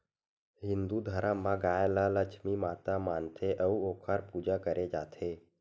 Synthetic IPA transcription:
ɦɪnd̪ud̪ʱəɾamãɡajlaləkt͡ʃʰmimat̪amaːnt̪ʰeʔəuokʰaɾpud͡ʒakəɾʔed͡ʒat̪ʰe

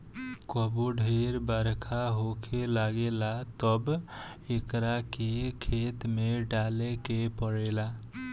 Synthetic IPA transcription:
kəbuɖʱeɾbəɾkʰaɦokʰelaɡelat̪əb | ekɾakekʰet̪meɖalekepəɽela

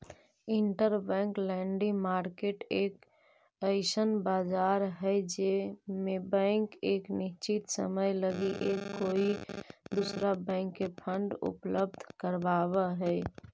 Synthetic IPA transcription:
iɳʈəɾbɛ̃ŋklɛɳɖimaɾkeʈek | əɪsənbad͡ʒaɾɦəjd͡ʒemebɛ̃ɪŋkeːkniʃt͡ʃit̪sə̰məjləɡiʔekːoid̪usɾabɛ̃ɪŋkːepʰəɳɖṵpləb̚d̪ʱkəɾbaβəɦəj

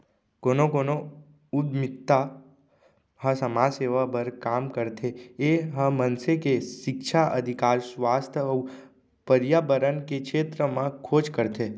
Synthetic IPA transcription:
koːnokoːno | ʊd̪mɪkt̪ːa | həsəmaseːʋapəɾkaːmkəɾt̪ʰeeɦə̃mənsekeʃɪkʃʰaʔə̰d̪ʱɪkaːɾsʋaːst̪ʰjɔ | pəɾjaːbəɾənkekʃeːt̪ɾəmãkʰoːd͡ʒkəɾt̪ʰe

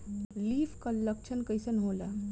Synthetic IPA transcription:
liːfkalːəkt͡ʃʰənkəjsənɦola

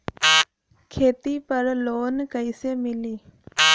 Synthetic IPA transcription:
kʰeːt̪ipəɾloːnkəisemɪliː

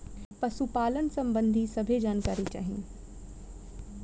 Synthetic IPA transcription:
pɐsupaːlənsɐ̃mbə̃nd̪ʱisɐbʱed͡ʒaːnkaːɾit͡ʃa̰ːɦĩ

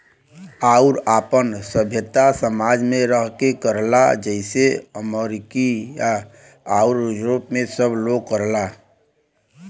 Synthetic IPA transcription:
aʊɾaːpənsəbʱjət̪asəmad͡ʒmẽɾəɦkekəɾla̰d͡ʒəɪseəməɾikija | aʊɾd͡ʒɾopmẽsəbloɡ̚kəɾla

